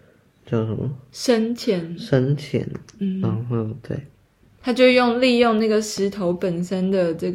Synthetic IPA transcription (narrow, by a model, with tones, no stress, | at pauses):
t͡ɕjɑ˥˩ʊʂə˧˦mə˧˩ʂə˦˥nt͡ɕʰjɛ˨˥nʂə˥nt͡ɕʰjɛ̰˧˥˦nn̩˥˩a˥ŋ˥˩t̪wḛ˥˩ɪ | t̪ʰa˥t͡ɕjo˥˧jo˥˧ŋli˥˧jʊ˥˧ŋna˥˩ɡə˨˩ʂɻ̩˧˥t̪ʰo˧˦ʊpə˨˩nʂə˥nd̪ə˨ʈ͡ʂə˥˩ɡ